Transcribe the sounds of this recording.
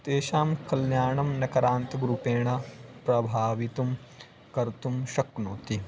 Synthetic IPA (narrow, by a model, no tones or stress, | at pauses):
t̪eːʃaːmkɐlnjaːɳɐmnɐkɐɾaːnt̪ɐɡɾupeːɳɐpɾɐbʱaːʋit̪um | kɐɾt̪umʃɐknoːt̪i